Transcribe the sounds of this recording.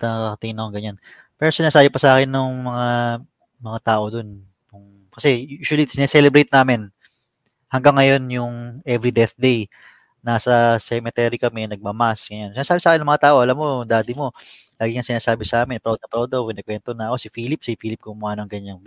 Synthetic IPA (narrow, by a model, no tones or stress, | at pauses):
t̪ɐakɐt̪ɪŋɪnɐkoŋɡɐɲan | pɛɾosɪnaːsaːbɪpɐsɐʔaːkɪnːʊŋmɐŋa | mɐŋat̪aːʔo̞d̪o̞n | nʊŋ | kɐsɛjuːswɐlisɪnɛsɛlɛbɾejt̪̚naːmɪn | hɐŋɡaŋːɐjo̞njʊŋʔɛvɾid̪ɛθd̪ej | naːsɐsɛmɛt̪ɛɾikɐmɛnɐɡ̚mɐmasɡɐjansɪnaːsaːbɪsaaːkɪnːɐŋmɐŋat̪aːʔo̞ʔɐlamːo̞d̪aːd̪ɪmo̞laːɡɪŋɐŋsɪnaːsaːbɪsɐʔaːmɪnpɾawd̪ɐpɾawd̪ɐpɪnɛkwɛnt̪onɐʔɐko̞sɪfiːlɪp̚sifiːlɪp̚kʊmʊʔaːnoŋɡɐɲaŋ